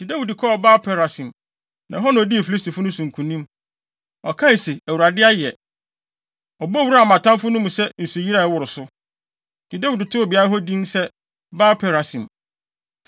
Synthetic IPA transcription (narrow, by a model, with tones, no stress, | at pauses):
di˨da˦wi˨di˨kʰɔ˦ɔ˨baː˦pʰɛ˨ɾa˨sĩ˨m | nã˨ɦɔ˦nʊ̃˨ɔ˨di˦ɛ˨fi˨li˦stʰi˨fʊ˦nʊ̃˦sũ˨ŋ˨kʰũ˨nĩ˦m | ɔ˨kʰã˦i˨se˨æ˨wu˨ɾa˨dɪ˦a˦jɛ˨ | ɔ˨bɔ˦wu˦ɾa˨mã˨tʰã˦mfʊ˦nʊ̃˦mũ˨sɛ˦n̩˨su˨ji˦ɾa˦˨wʊ˨ɾʊ˨sʊ˦ | di˨da˦wi˨dɪ˨tʰʊ˦˨ba˦ɾa˦ɦɔ˦dĩ˦msɛ˦ | baː˦pʰɛ˨ɾa˨sḭ̃˨m